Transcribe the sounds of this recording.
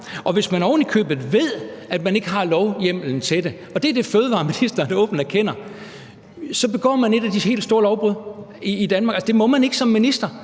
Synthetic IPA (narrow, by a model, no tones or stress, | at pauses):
ʔɒ̽ʋe̝smænɒʊnikʰø̰ːb̥ð̩ˠʋe̝ð̞̰ˠæd̥mæne̝ɡ̥əɦɑ̈lɒʊjem̰l̩n̩t͡sʰe̝d̥e̝ | ɒ̽d̥e̝æɐd̥e̝føːð̞ˠəʋɑ̰̈ːminisd̥ɐnɔ̽ːb̥n̩æɐkʰen̰ɐ | sɒ̽b̥e̝ɡ̥ɒ̰ːmæne̝ɾ̥ædihe̝̰ːldsd̥o̝ːɐlɒʊb̥ʁuð̰ˠ | iːd̥ænmɑ̈ɡælsə̥d̥e̝mɒ̽mæne̝ɡ̥əsɒ̽mːinisd̥ɐ